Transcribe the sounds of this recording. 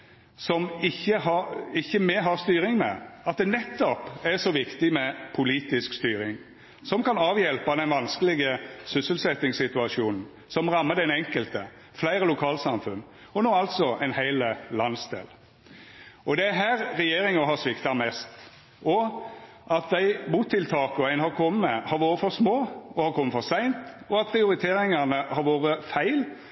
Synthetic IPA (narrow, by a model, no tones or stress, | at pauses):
sɔmɪçːəɦɑɪçːəmɛɦɑɾst̪yːɾɪŋmɛ̰ɑt̪̚d̪ɛnɛt̪ːɔpæsɔʋɪkt̪ɪmɛpʰʊliːt̪ɪskst̪yːɾɪŋ | sɔmkʰɑnɑːʋjɛlpɑd̪ɛnʋɑnskəlɪɡəsʏsəlsɛt̪ːɪŋsɪt̪ʉɑʃuːnn̩ | sɔmʁɑmːəd̪ɛnɛŋkəlt̪ə | flæɪɾəlʊkʰɑːlsɑmfʉn | ɔnoːɑlt̪sɔʔɛɪnhæɪləlɑnsd̪ḛːl | ɔd̪ɛæɦæːɾɾɛjeːɾɪŋɑɦɑsʋɪkt̪ɑmɛst̪ | ɔ | ʔɑt̪̚d̪æɪbuːt̪ʰːɪlt̪ʰɑːkɔæɪnhɑɾkʰɔmːəəhɑɾʋoːɾəfɔɾsmoːɔhɑɾkʰɔmːəfɔɾsæɪnt̪ | ɔɑt̪̚pʰʁɪʊɾɪt̪ʰeːɾɪŋɑnəhɑɾʋoːɾəfæɪl